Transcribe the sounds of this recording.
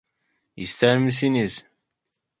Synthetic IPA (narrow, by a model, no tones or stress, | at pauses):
jə̰st̪aɾmis̬inis